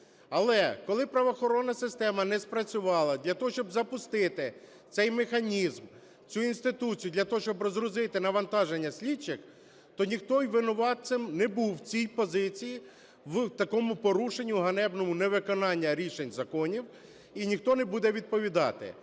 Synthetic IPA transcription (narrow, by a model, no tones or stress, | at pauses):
ɐlˠɛkɔlˠɪpɾɐʋɔxɔɾɔnːɐsɪst̪ɛmɐnɛspɾɐt͡sʲʊʋɑlˠɐd̪lʲɐt̪ɔɦɔʃt͡ʃɔbzɐpʊst̪ɪt̪ɪ | t̪sɛjmexɐnʲizm | t͡sʲuinst̪ɪt̪ut͡sʲijʊd̪lʲɐt̪ɔɦɔʃʲt͡ʃɔbrɔzɾʊzɪt̪ɪnɐʋɐnt̪ɑʒenʲːɐsʲlʲit͡ʃːɪx | t̪ɔnʲixt̪ɔjʋɪnʊʋɑt̪sɪmnɛbuwt͡sʲijpɔzɪt͡sʲiji | wt̪ɐkɔmʊpɔɾuʃenʲːʊɦɐnɛbnɔmʊnɛʋɪkɔnɑnʲːɐɾʲiʃenʲzɐkɔnʲiw | inʲixt̪ɔnɛbud̪ɛʋʲid̪̚pɔʋʲid̪ɑ̰t̪ɪ̰